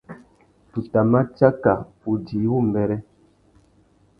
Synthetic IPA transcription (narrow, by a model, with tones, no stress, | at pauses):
tu˨ta˨ma˦t͡ʃa˦ka˨ | u˨di˨˦wu˦˨m˨bɛ˦ɾɛ˦